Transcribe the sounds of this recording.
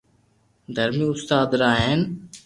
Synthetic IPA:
d̪ʱəɾmiːʊst̪aːd̪ɾaːɦeːn

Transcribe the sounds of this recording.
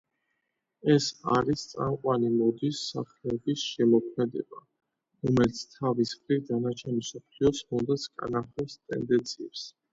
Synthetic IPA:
ɛsaɾist̪sʼamqʼwanimɔd̪isːaχlɛɛbisʃɛmɔkʰmɛd̪ɛ̰ba | ɾɔmɛlt̪sʰt̪ʰavisχɾiɾd̪anat͡ʃʰɛnimsɔpʰliɔsmɔnd̪at̪sʰkʼa̰naχɛpst̪ʼɛ̰nd̪ɛnt̪sʰiɛps

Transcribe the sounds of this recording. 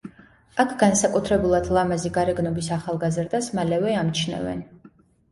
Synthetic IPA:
akʰɡ̥ansakʼut̪ʰɾɛbulˠad̪̥lˠamaziɡaɾɛɡnɔbisaχalˠɡazɾd̪asmalɛvɛamt͡ʃʰnɛ̰vɛ̰n

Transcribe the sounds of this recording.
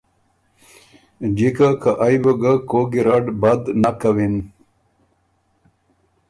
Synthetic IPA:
d͡ʑikakaʔajbəɡakoɡiɾaɖbad̪nakawin

